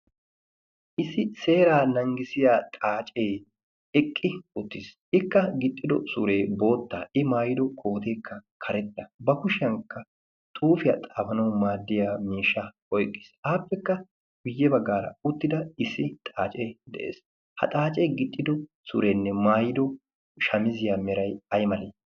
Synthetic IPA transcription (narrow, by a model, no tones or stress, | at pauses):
ʔɪsɪse̞ːɾaːnɐŋɡɪsɪjaːt̪ʼaːt͡ʃʼej | ɛkʼːɪʊt̪ːɪs | ɪkːɐɡɪt̪ʼːɪd̪ɔsʊɾe̞ːbo̞ːt̪ːaːʔɪmaːjɪd̪ɔkʰo̞ːt̪e̞ːkʰːɐkʰɐɾɛt̪ːɐbɐkʊʃɐŋkːɐ | t̪ʼuːfɪjɐt̪ʼaːfɐnɐwmaːd̪ːɪjamiːʃːɐ | ɔjkʼːɪ̥saːpːɛkːɐ | ɡʊjːɛbɐɡːaːɾɐ̰ʊt̪ːɪd̪ɐɪsːɪt̪ʼaːt͡ʃʼeːd̪ɛ̰ʔḛːs | hɐ̰t̪ʼaːt͡ʃʼejɡɪt̪ʼːɪd̪ɔ | sʊ̰ɾeːnːɛmaːjɪd̪ɔ | ʃɐmɪzɪjaːmɛɾɐjɐjmɐleː